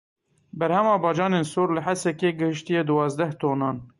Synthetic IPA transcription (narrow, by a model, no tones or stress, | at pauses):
bɛɾhɛmɑːbɑːd͡ʒɑːneːnsoːɾlɨħæsɛkeːɡɨhɨʃt̪ijeːd̪ɨwɑːzd̪ɛht̪oːnɑːn